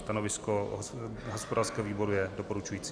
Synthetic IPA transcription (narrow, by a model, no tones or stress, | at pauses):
t̪anovɪskoɦoɦospodaːrskɛːɦoviːbo̞ɾujɛdopoɾut͡ʃujiːt͡si